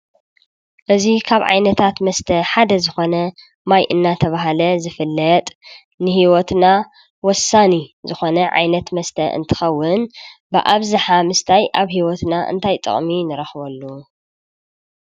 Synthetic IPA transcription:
ʔɨzikʰaβʕa̰jnɐt̪ʰat̪mɐst̪ʰɐħad̪ɐzɨxo̞nɐ | majʔɨnːat̪ʰɐβaɦalɐzɨfɨlːɐt̪ʼ | nɨhiwɔt̪na | wɔsːanizɨxo̞nɐʕa̰jnɐt̪mɐst̪ʰɐʔɨ̰nt̪ʰɨ̥xɐwːʊnbɨʔaβzɨħamɨst̪ʰajʔaβhiwɔt̪naʔɨ̰nt̪ʰajt̪ʼɨ̰χʼminɨɾɐxβɐlːu

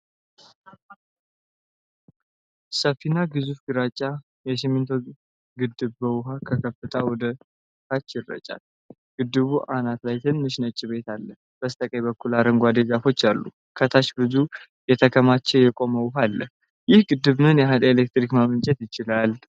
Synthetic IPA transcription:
səfːinaɡɨzufɡɨɾat͡ʃʼːa | jɛs̬ɪmːɨnt̪ʰo | ɡɨd̪ːɨβbəwɦakʰəkʰəfɨt̪ʰawɔd̪ə | t̪ʰat͡ʃːjɪrːə̰t͡ʃʼa̰l | ɡ̥ɨd̪ːɨβuʔanat̪lajt̪ʰɨnːɨʃnət͡ʃʼːiβe̞t̪alːəh | b̥əst̪ʼəkʼəjbəkːulaɾəŋɡʷad̪eɡafo̞t͡ʃːalːṵ | kʰət̪ʰaʃbɨzu | jɛt̪ʰəkʰəmat͡ʃːɛwjɛkʼo̞məwɦalːəh | jɪhɡɨd̪ːɨβmɨnjɛɦad̪elek̚t̪ɾikmamɨnt͡ʃʼɛt̪jɪt͡ʃɪlal

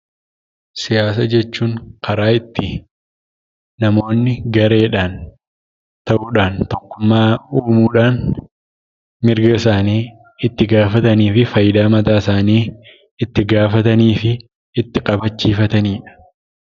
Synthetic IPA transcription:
sɪjaːs̬ɐd͡ʒɛt͡ʃːuːŋkʰɐɾaːɪt̪ːɪ | nɐmo̞ːnːɪɡɐɾe̞ːᶑaːn | t̪ɐʔuːᶑaːnt̪ɔkːʊmːaːuːmuːᶑaːn | mɪɾɡɐɪsaːniː | ɪt̪ːɪɡaːfɐt̪ɐniːfɪfɐjɪd̪aːmɐt̪aːsaːniː | ɪt̪ːɪɡaːfɐt̪ɐniːfɪ | ɪt̪ːɪkʼɐbɐt͡ʃːiːfɐt̪ɐniːᶑɐ̥

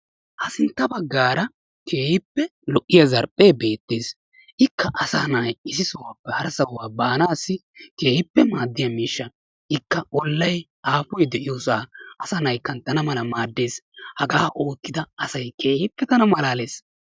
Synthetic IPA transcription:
ʔɐsɪnt̪ːɐbɐɡːaːɾɐ | kʰe̞ːhɪpːɛlɔʔːɪjɐzɐɾpʼːe̞ːbe̞ːt̪ːeːs | ʔɪkːɐʔɐsaːnajɪsɪsʊwaːpːɛhɐɾsɐwaːbaːnaːsːɪke̞ːhɪpːɛmaːd̪ːɪjɐmiːʃːɐ | ɪkːɐɔlːɐj | ʔaːfʊjd̪ɛʔɪjoːsaːʔɐsɐnɐjkːɐnt̪ɐnɐmɐlɐmaːd̪ːe̞ːshɐɡaːʔo̞ːkːɪd̪ɐɐsɐjkʰe̞ːjɪpːɛt̪ɐnɐmɐlaːleːs

